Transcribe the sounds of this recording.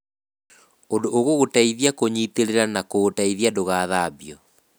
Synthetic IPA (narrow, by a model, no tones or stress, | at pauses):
ondoʔːɣoɣotaiðiakoɲiteɾeɾanakotaiðjadoɣaːðaːbiɔ